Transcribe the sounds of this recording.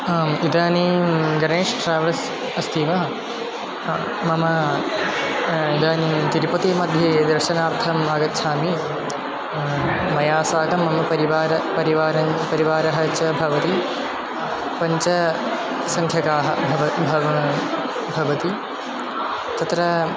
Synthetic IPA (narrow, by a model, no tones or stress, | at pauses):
id̪aːniɡɐneːʂʈɾaːʋɾɐs | ɐst̪ʰiʋɐɦɐ | mɐmɐ | id̪aːnit̪iɾipɐt̪iːmɐd̪ʱjɐd̪ɐɾʃɐnaːɾt̪ʰɐmaːɡɐt̪ʃaːmi | mɐjaːsaːkɐmːɐmɐpɐɾiʋaːɾɐpɐɾiʋaːɾɐnpɐɾiʋaːɾɐɦɐt͡ʃɐbʱɐʋɐt̪i | pɐɲt͡ʃɐ | sɐŋkʰjɐkaːɦɐbʱɐʋɐbʱɐ | bʱɐʋɐt̪i | t̪ɐt̪ɾɐ